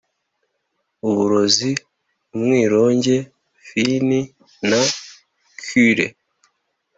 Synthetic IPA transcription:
uβuɾo̞zi | umŋiːɾo̞ːɲɟe̞ | fini | na | kyɾḛ

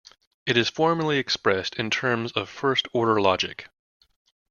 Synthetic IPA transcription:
ɨɾɨz̥fɔɹmə˞lˠiɨkspɹɛstɨ̃ntʰɜ̃˞mzʌv̥fɜ˞stʰɔɹɾə˞lɑd͡ʒɪ̰k

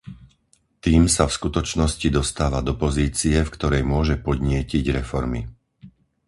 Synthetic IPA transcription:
t̪iːmsafskut̪ɔt͡ʃnɔscid̪ɔst̪aːʋad̪ɔpɔziːt͡siɛfkt̪ɔɾɛjmʊɔʒɛpɔd̪ɲɪɛciɟɾɛfɔɾmi

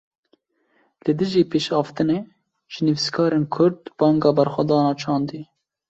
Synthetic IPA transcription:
lɨd̪ɨʒiːpeːʃhɑːft̪ɨneː | ʒ̥ɨnɨviskʰɑːɾeːnkʰʊɾd̪b̥ɑːŋɡɑːbɛɾxʷɛd̪ɑːnɑːt͡ʃʰɑːnd̪iː

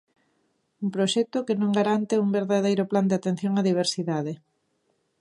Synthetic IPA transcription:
umpɾoʃɛk̚t̪okɪnõŋɡaɾant̪ɪuŋbeɾðaðejɾopland̪ɪat̪ẽn̟θjoŋaðiβ̞eɾsiðaðe

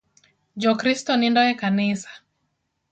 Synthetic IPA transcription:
d͡ʒɔkɾistɔnindɔɛkanisḁ

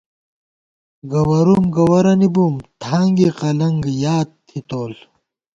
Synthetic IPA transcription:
ɡɐwɐɾumɡɐwɐɾɐnibumt̪ʰaːŋɡiqɐlɐŋɡjaːt̪t̪ʰːit̪oːl

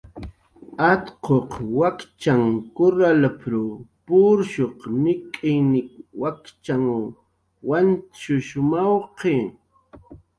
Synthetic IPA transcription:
at̪qoqwakt͡ʃaŋkʊɾalapɾʊpʊɾʃoqmɪkʼɪjnɪkwakt͡ʃaŋ | want͡ʃʊʃʊmawqe

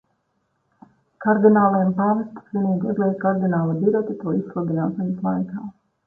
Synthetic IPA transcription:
kaɾd̪inaːlˠɛjmpamɛst̪ʲiniːɡɛɡ̪lˠɛːt̪kaɾd̪inaːlˠad̪iɾɛt̪it̪uɔisklˠad̪inaːʃɛnislˠajkaː

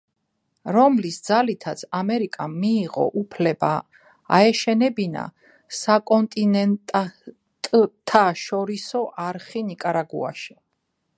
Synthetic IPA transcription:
ɾɔmlisd̪zalit̪ʰat̪sʰamɛɾikʼamiːʁɔ̰ʔupʰlɛba̰ː | ɛʃɛnɛbina̰ | sakʼɔnt̪ʼinɛnt̪ʼ | t̪ʼt̪ʰːaʃɔɾisɔʔaɾχinikʼaɾaɡṵa̰ʃi̥

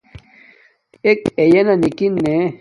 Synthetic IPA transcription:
ekejenanikinːe

